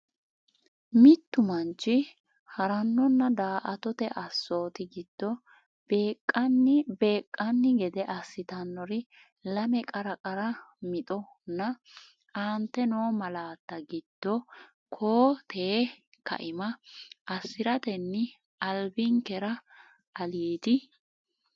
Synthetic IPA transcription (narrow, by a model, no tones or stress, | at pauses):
mɪt̪ːʊmɐnt͡ʃːɪ | hɐɾɐnːɔnːɐd̪aːʔɐt̪ɔt̪ɛʔɐsːo̞ːt̪ɪɡɪd̪̥ːɔ | b̥e̞ːkʼːɐnːɪbe̞ːkʼːɐnːɪɡɛd̪ɛʔɐsːɪt̪ɐnːɔɾɪ | lɐmɛkʼɐɾɐkʼɐɾɐmɪt̪ʼɔ | nːɐ | ʔaːnt̪ːɛnoːmɐlaːt̪ːɐɡɪd̪̥ːɔ | kʰoːt̪ʰeː | kɐ̰ʔɪmɐʔɐsːɪɾɐt̪ɛnːɪ | ʔɐlbɪŋkɛɾɐ | ɐliːd̪ɪ